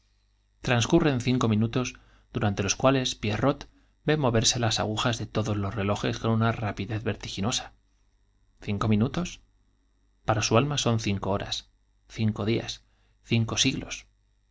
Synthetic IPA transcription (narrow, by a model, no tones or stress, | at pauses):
t̪ɾanskure̞nθiŋko̞mĩnut̪o̞z | ðuɾant̪e̞lo̞skwale̞spjero̞t̪ | be̞mo̞βe̞ɾse̞lasa̰ɣ̞uxazðe̞t̪o̞ðo̞zlo̞sre̞lo̞xe̞sko̞nunarapiðe̞ðβe̞ɾt̪ixino̞sḁ | θiŋko̞mĩnut̪o̞s | paɾasualmaso̞nθiŋko̞oɾa̰s | θiŋko̞ðia̰s | θiŋko̞siɣlo̞̰s